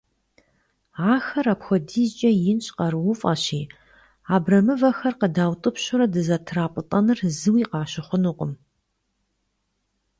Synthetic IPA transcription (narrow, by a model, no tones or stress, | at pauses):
ʕaːxɐɾapxʷɔdiːzt͡ʃʼɐjɪnɕʼqɐɾɨwʊfʼɐɕiː | aːbrɐmɨvɐxɐrqədaːwtʼɨpɕʊɾɐdɨzɐtʰraːpʼɨtʼɐnɨrzɨwiːqɑːɕɪχʷʊnuqʼʊm